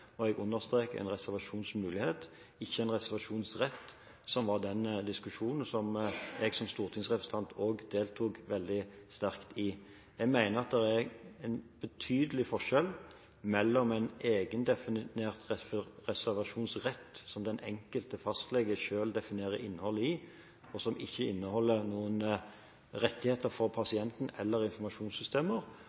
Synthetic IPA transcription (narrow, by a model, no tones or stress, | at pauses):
ɔɛɡʉnːəʁst̪ɾeːkəæ̰ɪnʁɛsæʁʋɑʂuːnsmʉːlɪheːt̪ | ɪçːəæɪnʁɛsæʁʋɑʂuːnsʁɛt̪ː | sɔmʋɑʁd̪ɛnd̪ɪskʉʂuːnn̩sɔmɛɡsɔmst̪uːʁt̪ʰɪŋsʁɛpɾəsn̩ʰɑnt̪ʰoːɡd̪eːlt̪ʰuːkʋɛld̪ɪst̪æɾkt̪ɪ | ɛɡmæɪnəɾɑt̪̚d̪ɛɾæɾɛɪnb̥ət̪ʰyːd̪əlɪfɔʂɛl | mɛlːɔmæɪneːɡənd̪ɛfɪnneːʁt̪ʁɛfʁɛsæʁʋɑʂuːnsʁɛt̪ːsɔmd̪ɛnɛ̰ŋkəlt̪əfɑst̪lɛɡəʃøːld̪ɛfɪneːʁəʔɪnːəhɔlːəɪ | ɔsɔmɪçːəɪnːəhɔlːənuːən | ʁɛt̪ːɪheːt̪əɾfɔʁpʰɑsɪɛnt̪n̩ɛlːəɾɪnfɔʁmɑʃuːnsʏst̪ʰeːməʁ